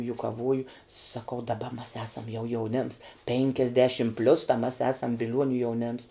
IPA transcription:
jʊkɐˈʋuɔjʊ sɐˈkɐʊ dɐˈbɐ mɐs ˈɑːsɐm jɛʊ jɛʊˈnʲeːms ˈpʲeːŋʲkʲɛzʲdʲɛʃʲɪm pʲlʲʊs tɐ mʲɛs ˈæːsɐm bʲɪˈlʲuɔnʲʊ jɛʊˈnʲeːms

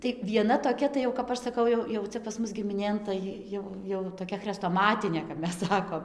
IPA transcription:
tɐɪ ʋʲiɛˈnɐ toːˈkʲɛ tɐɪ jɛʊ kɐp ˈɐʃ sɐˈkɐʊ jɛʊ jɛʊ ˈt͡sʲɛ pɐs ˈmʊs ɡʲɪmʲɪˈnʲeːn tɐɪ ˈjɛʊ jɛʊ toːˈkʲɛ xʲrʲɛstoːˈmɑːtʲɪnʲeː kɐp ˈmʲɛs ˈsɑːkoːm

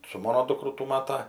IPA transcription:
sʊ ˈmɑːnoː ˈduːkrʊ tuː ˈmɑːtɐ

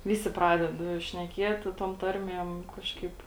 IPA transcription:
ˈʋʲɪsʲɪ ˈprɑːdʲɛt ʃʲnʲɛˈkʲiɛtʲɪ toːm ˈtɐrʲmʲiɛm ˈkɑːʃkɐɪp

